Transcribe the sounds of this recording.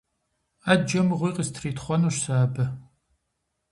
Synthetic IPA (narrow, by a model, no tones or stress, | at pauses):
aːd͡ʒɐmɨʁʷiːqəstʰriːtχʷɔnɐʃsaːbɐ